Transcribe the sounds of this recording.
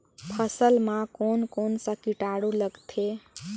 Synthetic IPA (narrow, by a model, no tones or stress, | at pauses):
pʰəsəlmãkonkonsəkiʈaɽuləɡt̪ʰe